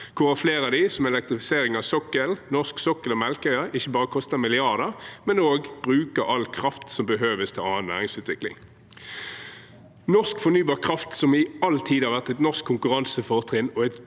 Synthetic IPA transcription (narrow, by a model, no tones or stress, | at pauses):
kʰʊʁɑfleːʁɑd̪ɪsɔmɛlɛk̚t̪ʁɪfɪseːʁɪŋɑʋsɔkəlnɔʁsksɔkːəlɔmɛlkœʏəʔɪçːəbɑːʁəkʰɔst̪əmɪlɪɑʁd̪əmɛnoːɡb̥ʁʉːkəʁɑlkʰʁɑft̪sɔmbəɦøːʋəst̪ʰɑlɑːənnæ̰ːʁɪŋsʉːt̪ʋɪklɪ̰ŋ | nɔʁskfɔnyːbɑːʁkʰʁɑft̪sɔmɪɑlt̪ʰiːd̪hɑɾʁʋæʁt̪ɛt̪nɔʁskʰːʊŋkʉʁɑnsəfɔʁt̪ʰʁɪnɔɛt̪